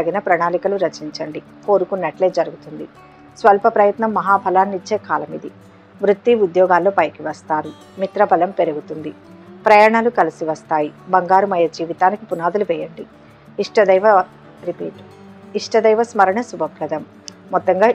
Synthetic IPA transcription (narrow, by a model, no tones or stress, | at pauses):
ɐɡinɐpɾɐɳaːlikɐluɾɐt͡ʃiɲt͡ʃɐɳɖi | ko̞ːɾukunːɐʈle̞ːd͡ʒɐɾuɡut̪und̪i | sʋɐlpɐpɾɐjɐt̪nɐmːɐɦaːbʱɐlaːnːit͡ʃːe̞ːkaːlɐmid̪i | ʋɾut̪ːiud̪jɔːɡaːlːo̞ːpɐjkiʋɐst̪aːɾu | mit̪ɾɐbʱɐlɐmpe̞ɾuɡut̪und̪i | pɾɐjaːɳaːlukɐlisiʋɐst̪aːjibɐŋɡaːɾumɐjɐd͡ʒiːʋit̪aːnikipunaːd̪uluʋɛːjɐɳɖi | iʂʈɐd̪ɐjʋɐ | ɾipḭːʈ | iʂʈɐd̪ɐjʋɐsmɐɾɐɳɐsubʱɐpɾɐd̪ɐmː | ɔt̪ːɐŋɡaː